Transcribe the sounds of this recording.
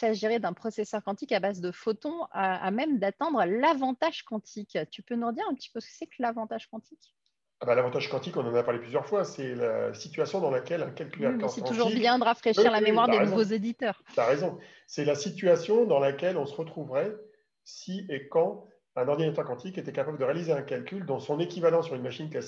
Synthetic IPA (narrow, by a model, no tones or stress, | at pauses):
saʒeʁed̪ɛ̃pχɔsesœʁkɑ̃t̪ikabazd̪əfot̪ɔ̃aamɛmd̪at̪ɛ̃d̪ʁəlavɑ̃t̪aʒ̥kɑ̃t̪ʰikt̪ypønuʁəd̪iʁɛ̃pət̪i̥pøsə̥kə̥sɛklavɑ̃t̪aʒ̥kɑ̃t̪ʰik | abalavɑ̃t̪aʒkɑ̃t̪ikɔ̃nɑ̃napaʁleplyzjœʁfwasɛla̰sit̪ɥasjɔ̃d̪ɑ̃lakʲɛlɛ̃kalkʲylɛʁsikɑt̪uʒuʁibjɛ̃d̪əʁafχeʃiʁlamemwaʁdd̪enuvozed̪it̪œːʁaʁezɔ̃ | sɛlasit̪ɥasjɔ̃d̪ɑ̃lakʲɛlɔ̃səʁət̪χuvʁɛ | siekɑ̃ | ɛ̃nɔʁd̪inat̪œʁkɑ̃t̪iket̪ɛkapabləd̪əʁealizeɛ̃kalkʲyld̪ɑ̃sɔ̃nekʲivalɑ̃syʁynmaʃinklasi